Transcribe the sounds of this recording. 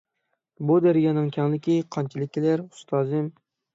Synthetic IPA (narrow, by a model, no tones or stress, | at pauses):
bʊd̪eɾɡʲɑnɪŋkʲʰaŋlˠɪkʲʰɪqʰɒnt͡ʃʰɪlɪkʲːɪlaɾʊ̥st̪ʰɑzɪm